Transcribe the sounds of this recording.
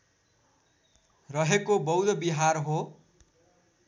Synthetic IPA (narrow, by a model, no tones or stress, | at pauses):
rʌɦekobʌwd̪ʌbiɦarɦo